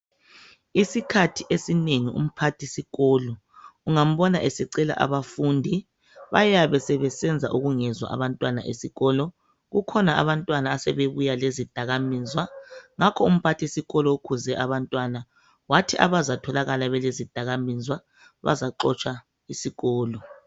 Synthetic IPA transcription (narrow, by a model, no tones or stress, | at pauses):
isikʰatʰiʔesineŋiṵm̩pʰatʰisiɣɔːlɔ | uŋam̩βɔnaʔesiǀɛla̰ʔa̰βafundʱi | βa̰jaβɛsɛβɛsɛnd͡zʱa̰ʔuɣuŋɛzwa̰ʔa̰βantʼwana̰ʔḛsiɣɔːlɔ | ɣukʰɔnaa̰βantʼwanaːsɛβeβujalezid̥ʱaɣamizwaŋakʰɔum̩pʰatʰisiɣɔlɔokʰuzɛʔaβantʼwana | watʰiʔa̰βazatʰɔlaɣalaβɛlezid̥ʱaɣaminzwa | βa̰zaǃɔt͡ʃʼʰwa | isiɣɔːlɔ